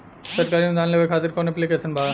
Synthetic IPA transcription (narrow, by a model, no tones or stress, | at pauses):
səɾ̚kaɾimd̪anlebekʰat̪iɾkonepliket͡ɕʰenbʱa